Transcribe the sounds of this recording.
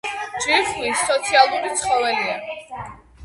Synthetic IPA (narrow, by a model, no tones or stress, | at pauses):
d͡ʒiχlisːɔt̪sʰialˠuɾit̪sʰχɔvɛlia